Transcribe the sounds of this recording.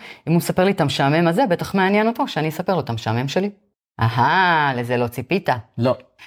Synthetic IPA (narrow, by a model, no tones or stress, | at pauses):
imumesape̞ʁlitamʃaːme̞maze̞be̞t̪aχmeanjeno̞toʃeaniesape̞ʁlot̪ameʃame̞mʃe̞li | ʔaɦale̞ze̞lo̞t͡sipit̪alo